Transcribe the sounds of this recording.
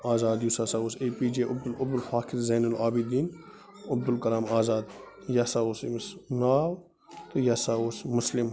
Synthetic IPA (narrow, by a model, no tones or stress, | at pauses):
aːzaːd̪jusaːsaːoːsepiːd͡ʒeːʔɐb̚d̪ulɐb̚d̪ulfaːkʰiɾzɐːnulaːbid̪iːn | ɐb̚d̪ulkɐɾaːmaːzaːd̪ | jɐsaːoːsḭmɐsnaːw | t̪ujɐsaːoːsmʊslim